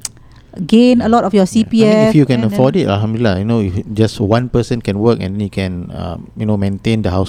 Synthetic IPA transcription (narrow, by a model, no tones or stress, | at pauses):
ɡẽnəlɔtɔfjɔsipiɛifjukɛ̃nəfɔditalhɦãmdulilːajunoifd͡ʒaswãnpəsə̃nkɛ̃nwəkɛ̰̃ndɛ̃njkʰɛ̃nʌ̰̃mjunomẽntẽndəɦaʊs